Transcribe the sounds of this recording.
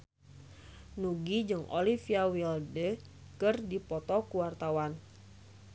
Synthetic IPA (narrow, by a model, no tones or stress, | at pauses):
nuɡid͡ʒɨŋo̰lifiawildə | kɨrdipɔt̪ɔkuwart̪awan